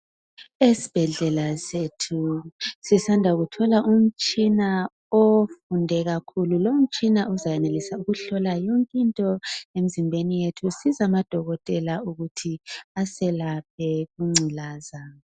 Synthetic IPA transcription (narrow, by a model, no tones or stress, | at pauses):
esi̥b̥ʱɛɮɛlasetʰusisandʱaɣutʰɔlaʔum̩t͡ʃʼina | ofundʱɛɣakʰululom̩t͡ʃʼinauzajɛnelisauɣuɬɔlajɔŋkʼintʼɔem̩zimbʱenijetʰusizamad̥ʱɔɣɔtʼɛlauɣutʰiasɛlap̚ʰɛɣuŋ͡ǀʱilaːza